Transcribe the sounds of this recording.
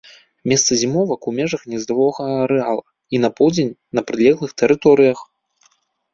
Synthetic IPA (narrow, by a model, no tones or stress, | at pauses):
mʲɛst̪sɐzʲimɔvɐkumʲɛʐɐxnʲɛzd̪ɾvɔɣɐɐɾɛalˠɐ | inɐpɔwˠd͡zʲenʲnɐpɾɨlʲɛɣlˠɨxt̪ɛɾɨt̪ɔɾɨjɐx